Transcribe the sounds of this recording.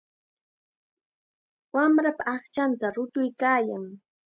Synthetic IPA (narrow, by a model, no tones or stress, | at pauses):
wamɾapaːχt͡ʃant̪aɾʊt̪ʊjkaːjaŋ